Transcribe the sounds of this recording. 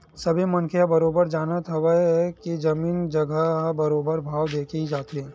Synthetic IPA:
sɐbʱimɐnkʰejabɐɾoːbəɾd͡ʒaːnat̪ʰɐwəɦɛkid͡ʒɐmiːnd͡ʒɐɡʱəɦabɐɾoːbəɾbʱaːʋd̪eːkʰid͡ʒaːt̪iɦɛ̃ː

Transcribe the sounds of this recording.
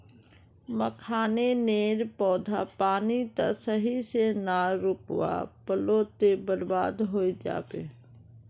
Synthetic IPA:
məkʰaːneneːɾpɔːd̪ʱa̰paːnit̪ə̰səɦisenaːɾʊpwa̰pəloːt̪ebəɾbaːd̪ɦoːid͡ʒa̰ːbḛː

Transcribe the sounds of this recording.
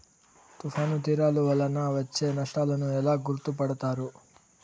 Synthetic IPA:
t̪ufʰaːnut̪iːɾaːluʋɐlɐnɐʋɐt͡ʃːenɐʂʈaːlɐnuɛlːaɡuɾt̪upɐɽt̪aːɾu

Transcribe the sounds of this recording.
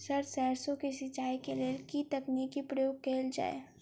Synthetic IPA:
sɐɾsɛːɾsõkesɪt͡ʃaːikelelkit̪ɐkniːkipɾɐjoːɡ̚keːld͡ʒa̰ːḛ

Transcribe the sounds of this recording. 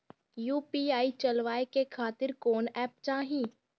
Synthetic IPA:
juːpiːaːit͡ʃɐlʋaːekekʰaːt̪ɪɾkoːnɛːp̚t͡ʃaːɦĩː

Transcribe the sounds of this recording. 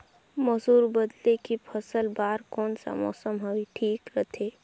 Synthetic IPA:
mɔsuːɾbəd̪lekipʰəsəlbaːɾkɔːnsa̰mɔ̰ːsəmɦɐwiʈʰiːkɾət̪ʰeː

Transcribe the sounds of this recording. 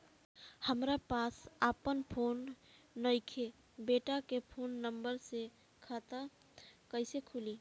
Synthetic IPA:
həmɾapasapənpʰonː | əɪkʰe | beʈakepʰonːəmbəɾse | kʰat̪a | kəɪsekʰuli

